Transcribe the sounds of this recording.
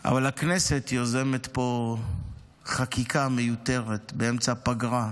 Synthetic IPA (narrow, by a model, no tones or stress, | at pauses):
ʔa̰valakne̞se̞t̪joze̞me̞t̪po̞ | χakikʰame̞jut̪e̞ʁet̪beemt͡sapaɡʁa